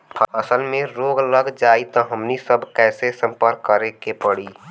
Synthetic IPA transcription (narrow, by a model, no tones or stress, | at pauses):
pʰəəsəlmẽɾoːɡələɡd͡ʒaːit̪ɔɦəmnisəbkɛːsesə̃mpəɾkːəɾekepəɽiː